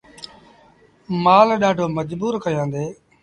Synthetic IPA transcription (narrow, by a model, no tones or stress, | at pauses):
maːlɗaːɖʱoːməd͡ʒbuːɾkəjãːnd̪eː